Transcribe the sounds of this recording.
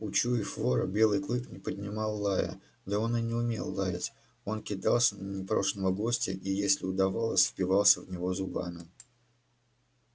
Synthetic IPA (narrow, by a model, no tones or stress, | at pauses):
ʊt͡ɕuɪflo̞ɾə̰bʲe̞lˠɨjklˠɨknʲɪpədʲnʲɪmɑlˠːajə̰ | d̪əonɨnʲɪʊmʲe̞̰lˠːajɪtʲ | o̞nkʲɪd̪ɑlˠsʲənənʲɪpɾo̞̰ʂnəvəɡo̞sʲtʲɪ̰ʔijesʲlʲɪʊd̪ɐvalˠəsʲfpʲɪvɑlˠsʲəvnʲɪvo̞zʊba̰nə